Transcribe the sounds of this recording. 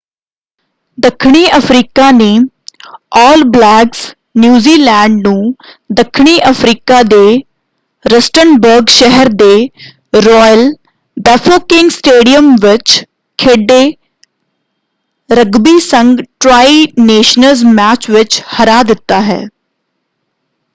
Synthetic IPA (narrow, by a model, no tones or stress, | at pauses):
d̪əkʰːɳ̃iːəpʰɾiːkaːneː | ɔːlblɛːɡs | njuːziːlɛ̃ːɳɖnũː | d̪əkʰːɳ̃iːʔəpʰɾiːkaːd̪eː | ɾəsʈənbəɾɡʃɛɦəɾd̪eː | ɾɔːjəl | dɛfʰəkɪ̃ŋɡsʈeːɖijəmʋɪt͡ʃ | kʰeɖːeː | ɾəɡbiːsə̃ŋɡʈɾaːineːʃnəlzmɛːt͡ʃʋɪt͡ʃhəɾaːd̪ɪt̪ːaːɦɛ̰ː